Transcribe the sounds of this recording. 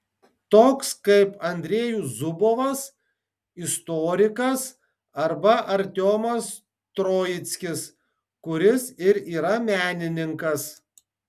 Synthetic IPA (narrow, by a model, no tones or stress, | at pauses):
t̪oːkskɐɪpɐnʲd̪ʲɾʲeːjuːzʊboːʋɐs | ɪst̪oːɾʲɪkɐs | ɐɾbɐʔɐɾʲt̪ʲoːmɐs | t̪ɾoːjɪt̪sʲkʲɪs | kʊɾʲɪsɪɾiːɾɐmʲæːnʲɪnʲɪŋkɐs